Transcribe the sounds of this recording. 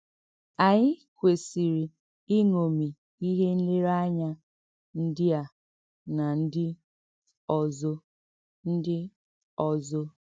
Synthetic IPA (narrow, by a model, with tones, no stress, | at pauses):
a˨ɲɪ˦kʷe˨si˨ɾi˨ | i˦ŋo˨mi˨ | i˦ɦe˦n̩˦le˦ɾa˦ɲa˦ | n̩˦dɪ˦a˨ | na˨n̩˦dɪ˦ | ɔ˨zo˦ | n̩˦dɪ˦ | ɔ˨zo˦